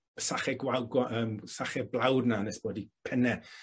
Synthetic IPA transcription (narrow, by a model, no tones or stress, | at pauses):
saχɛɡwalˠɡwaəːmsaχɛblˠawdnanɛsb̥oːdipʰɛnɛ